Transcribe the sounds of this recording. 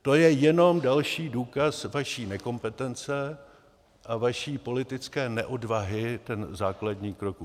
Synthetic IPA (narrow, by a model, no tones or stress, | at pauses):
t̪o̞jɛjɛno̞mdalʃiːduːkasvaʃiːnɛko̞mpɛt̪ɛnt͡sɛ | ʔavaʃiːpo̞lɪt̪ɪt͡skɛːnɛʔo̞dvaɦɪt̪ɛnzaːkladɲiːkɾok